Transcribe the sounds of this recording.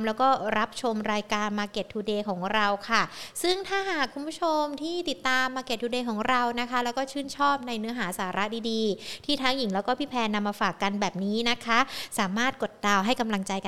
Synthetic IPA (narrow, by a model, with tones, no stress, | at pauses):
mlɛː˦˥wkɔː˥˩ɾa˦˥p̚t͡ɕʰo˧mɾaː˧jkaː˧nmaː˧ke˨˩t̪ʰːuː˧deː˧kʰɔː˩˦ŋɾa˧wkʰa˥˩sɯ˥˩ŋt̪ʰaː˥˩ɦaː˨˩kʰːu˧npʰu˦˥t͡ɕʰo˧mt̪ʰiː˥˩t̪i˨˩t̪ːaː˧mːaː˧ke˨˩t̪̚ʰːuː˧deː˧kʰɔː˩˦ŋɾa˧wna˦˥kʰa˦˥lɛː˦˥wkɔː˥˩t͡ɕʰɯː˥˩nt͡ɕʰɔː˥˩p̚na˧jnɯ˦˥ɐɦaː˩˦saː˩˦ɾʔa˦˥diː˧diː˧t̪ʰiː˥˩t̪ʰaː˦˥ŋji˨˩˦ŋlɛː˦˥wkɔː˥˩pʰiː˥˩pʰɛː˧nːa˧mːaː˧faː˨˩kːa˧nbɛː˨˩p̚niː˦˥na˦˥kʰa˦˥saː˨˩˦maː˥˩t̪̚ko˨˩t̪̚da˨˧wɦa˥˩jka˧mla˧ŋt͡ɕa˧jka˧